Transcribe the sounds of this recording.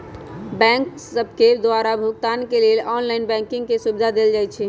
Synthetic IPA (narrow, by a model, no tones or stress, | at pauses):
bɛ̃ŋksəbʱked̪oaɾabʱʊɡt̪ankelelʔɔnlaɪnbɛ̃ŋkɪŋɡkesubd̪ʱad̪eld͡ʒajt͡ʃʰɛ